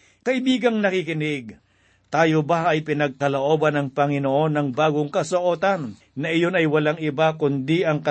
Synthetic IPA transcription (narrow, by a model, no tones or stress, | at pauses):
kɐʔɪbiːɡɐŋnɐkikɪnɪɡ̚ | t̪aːjobaʔɐjpɪnɐɡ̚kɐloʔo̞ːbɐnɐŋpɐŋɪnoʔo̞nːɐŋbaːɡoŋkɐsoʔo̞ːt̪ɐnː | ɐʔɪjo̞nɐjwɐlaŋɪbakʊnd̪iʔɐŋkɐ